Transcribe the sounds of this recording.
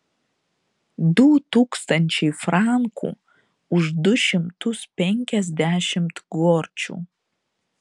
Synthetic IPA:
d̪uːt̪uːkst̪ɐnʲt͡ʃʲɛɪfɾɑŋkʰṵː | ʊʃd̪ʊʃʲɪmt̪ʊspʲɛŋʲkʲɛzʲd̪ʲæːʃʲɪmt̪ɡoːɾʲt͡ʃʲṵː

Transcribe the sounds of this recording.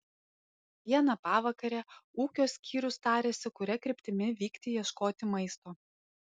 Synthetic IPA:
ʋʲiɛnɐpɑːʋɐkɐɾʲɛuːkʲoːsʲkʲʰiːɾʲʊst̪ɑːɾʲeːsʲɪkʊɾʲɛkɾʲɪpʲt̪ʲɪmʲɪʋʲiːkt̪ʲɪjiɛʃkoːt̪ʲɪmɐɪst̪oː

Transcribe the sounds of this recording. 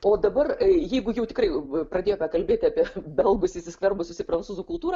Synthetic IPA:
oːd̪ɐbɐrjɛɪɡʊjɛʊt̪ʲɪkrɐɪpɾɐd̪ʲeːjoːpʲɛkɐlʲbʲeːt̪ʲɪapʲiɛbʲɛlˠɡʊsɪsʲɪsʲkʋʲɛrbʊsʲɪsʲɪpɾɐnt͡s̪uːzuːkʊlˠt̪uːɾɐ

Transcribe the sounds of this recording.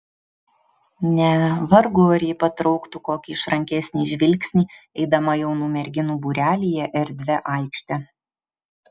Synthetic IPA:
nʲɛʋɐɾɡoːɾʲɛɪpɐt̪ɾɔʊkt̪uːkoːkʲiɪʃɾɐŋʲkʲɛsʲnʲiːʒʲʋʲɪlʲksʲnʲiːɛɪd̪ɐmɐjɛʊnuːmʲɛɾʲɡʲɪnuːbuːɾʲæːlʲijɛʔɛɾʲd̪ʲʋʲɛʔɑˑɪkʃʲt̪ʲɛ

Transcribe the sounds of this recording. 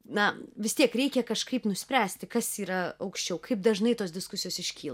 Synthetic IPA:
nɐʋʲɪst̪ʲiɛkɾʲɛɪkʲɛkɐʃkɐɪpnʊsʲpʲɾʲæːsʲt̪ʲɪkɐsiːɾɐɐʊkʃʲt͡ʃʲɛʊkɐɪp̚d̪ɐʒnɐɪt̪oːs̬d̪ʲɪskʊsʲɪjoːsɪʃʲkʲiːlˠɐ

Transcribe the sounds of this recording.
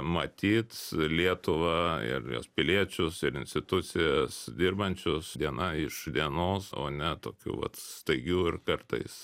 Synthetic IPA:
mɐt̪ʲiːt̪lʲiɛt̪ʊʋɑɪ̰rjo̰ːspʲɪlʲiɛt͡ʃʲʊsɪɾɪnʲsʲt̪ʲɪt̪ʊsʲɪjɛsd̪ʲɪrbɐnʲt͡ʃʲʊsd̪ʲiɛnɐɪʃd̪ʲiɛnoːso̰ːnʲɛt̪oːkʲṵːʋɐ̰t̪st̪ɐɪɡʲuːɪrkɐrt̪ɐɪs

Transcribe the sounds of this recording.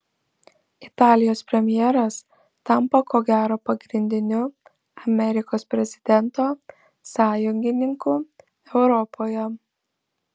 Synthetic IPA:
ɪt̪ɑːlʲɪjoːspʲɾʲɛmʲjɛːɾɐs | t̪ɐmpɐkoːɡʲæːɾoːpɐɡɾʲɪnʲd̪ʲɪnʲʊ | ɐmʲɛɾʲɪkoːspʲɾʲɛzʲɪd̪ʲɛnt̪oː | sɑːjʊŋʲɡʲɪnʲɪŋkuː | ɛʊɾɔpʰoːjɛ

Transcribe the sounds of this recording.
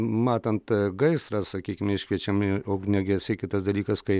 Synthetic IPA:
mɑːt̪ɐnt̪ɡɐɪsɾɐssɐkʲiːkʲɪmʲɛɪʃʲkʋʲiɛt͡ʃʲɛmoːɡnʲɛɡʲɪjɪsɐɪkʲɪt̪ɐsd̪ɐlʲiːkɐskɐɪ

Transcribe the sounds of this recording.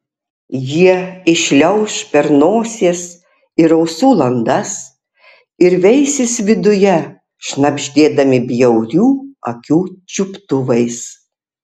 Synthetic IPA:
jiɛɪʃʲlʲɛʊʃpʲɛɾnoːsʲeːs | ɪɾɐʊsuːlˠɐnd̪ɐs | ɪɾʋʲɛɪsʲɪsʋʲɪd̪ʊjɛ | ʃnɐbʲʒʲd̪ʲeːd̪ɐmʲɪbʲjɛʊɾʲuːɐkʲuːt͡ʃʲʊpt̪ʊʋɐɪs

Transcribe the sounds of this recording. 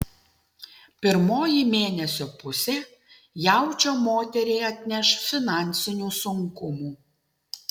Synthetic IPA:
pʲɪɾmoːjimʲeːnʲɛsʲoːpʊsʲe | jæˑʊt͡ʃʲoːmoːt̪ʲɛɾʲɛɪɐt̪ʲnʲɛʃfʲɪnɑˑnʲˑsʲɪnʲuːsʊŋkʊmuː

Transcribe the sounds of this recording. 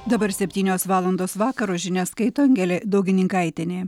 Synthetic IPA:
d̪ɐbɐɾsʲɛpʲt̪ʲiːnʲoːsʋɑːlˠɐnd̪oːsʋɑːkɐɾoːʒʲɪnʲɛskɐɪt̪oːɐŋʲɡʲɛlʲeːd̪ɐʊɡʲɪnʲɪŋkɐɪt̪ʲɪnʲeː

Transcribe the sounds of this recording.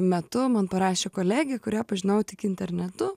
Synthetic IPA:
mʲɛt̪ʊmɐnpɐɾɑːʃʲeːkoːlʲæːɡʲeɛkʊɾʲiɛpɐʒʲɪnɐʊwt̪ʲɪkɪnʲt̪ʲɛɾʲnʲɛt̪ʊ

